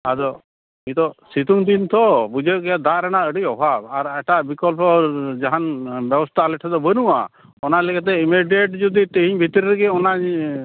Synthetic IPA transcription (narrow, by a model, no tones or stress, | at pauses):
ad̪ɔ | mĩt̪ɔsit̪uŋd̪int̪ɔbud͡ʒəkɛad̪aɾañaəɽijɔbʱabaɾɛʈabikɔlpɔd͡ʒaɦanbɛbɔst̪ʰalɛʈʰɛd̪ɔbənuʔa̰ | ɔnalɛkat̪̬ɛimiɖeʈ̚d͡ʒud̪it̪ɛɦiɲbʱit̪ɾiɾɡɛɔnaɲ